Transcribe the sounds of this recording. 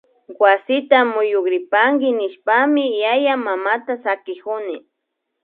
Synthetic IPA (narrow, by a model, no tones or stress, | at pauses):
wasɪt̪amʊjʊkɾɪpaŋɡɪnɪʃpamɪjajamamat̪asakɪkʊnɪ